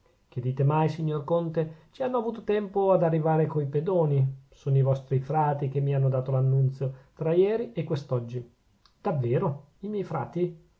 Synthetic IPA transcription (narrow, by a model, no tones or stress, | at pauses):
k̟ed̪iːt̪emajsiɲːorkont̪et͡ʃianːoavuːt̪ot̪ɛmpoad̪arːivaːɾekoiped̪oːnisoːnoivɔst̪ɾifɾaːt̪ik̟emːianːod̪aːt̪olanːunt̪sjot̪ɾajɛːɾiʔekwest̪ɔd͡ʒːi | d̪̥avːeːɾo | imjɛjfɾa̰ːt̪i